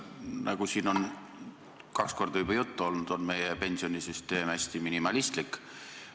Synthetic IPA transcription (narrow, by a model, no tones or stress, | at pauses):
nʔɑɡ̥usiːno̞n | kɑksko̞rd̪̥ɑubɑjut̪ːuo̞lnud̪̥o̞nme̞jepe̞nʲsio̞nʲisyst̪e̞ːmæsʲt̪iminimɑlist̪likːˑ